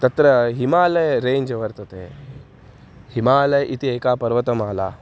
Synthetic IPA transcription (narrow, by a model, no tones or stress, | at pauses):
t̪ɐt̪ɾɐɦimaːlɐjɾeːɲd͡ʒɐʋɐɾt̪ɐt̪ḛ | himaːlɐjʔit̪ieːkaːpɐɾʋɐt̪ɐmaːla̰ː